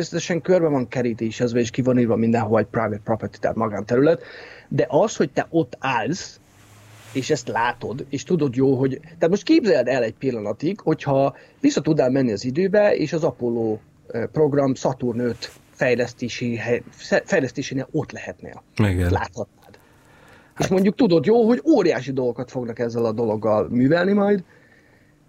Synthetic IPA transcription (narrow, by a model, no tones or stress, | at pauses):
esɛt̪ɛʃɛŋkørbɛvɒŋkɛɾit̪eːʃɛzbɛeːʃkivɒniːrvɒmind̪ɛnɦoɛc̚prajvɛt̪̚propɛrt̪i̥t̪a̰ːt̪mɒɡaːnt̪ɛɾylɛt̪d̪ɛʔɒsho̞c̚t̪ɛʔo̞t̪ːaːlz̥ | eːʃɛst̪laːt̪o̞d̪eːʃt̪ud̪o̞d̪joːlɦo̞ɟt̪aːt̪mo̞ʃt̪̚keːbzɛld̪ɛlɛɟ̚pilːɒnɒt̪iɡho̞chɒ | visːɒt̪ud̪naːlmɛnːiɒzid̪øːbɛḛːʃɒzɒpolːoː | pro̞ɡrɒmsɒt̪urnøt̪ | fɛjlɛst̪eːʃiːɦɛsɛfɛjlɛst̪eːʃeːneːlo̞t̪lɛhɛt̪nḛːliɡ̪la̰ːt̪hɒt̪̚naːd̪ | eːʃmo̞ɲɟuk̚t̪ud̪o̞d̪joːlɦo̞ɟoːɾijaːʃid̪o̞lɡo̞kɒt̪fo̞ɡnɒkɛzːɛlɒd̪o̞lo̞ɡːɒlmyːvɛlnimɒjd̪